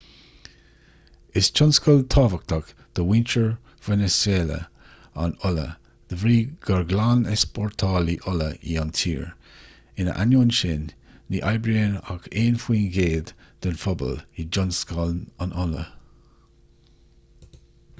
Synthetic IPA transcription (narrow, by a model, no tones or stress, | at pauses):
ɪst͡ʃʰɔnskɔlt̪ʰɔːvək̚t̪ʰɔk | d̪̥əwɪnt͡ʃəɹ | v̥ɛnɛsweːlə̰ | anʊlə̰ | d̪̥əvɾiːɡ̥əɹɡlanɪspʰɔɹt̪ʰɔːliʔʊləḭɔntʰḭːɹ | ɪnə̰ʔa̰nunʃɪnː | iʔajbɾeːnaɡeːnfwiːnɡeːd̪d̪̥ənfɔbɔ̰lid͡ʒɔnskɔlnənʔʊlə̰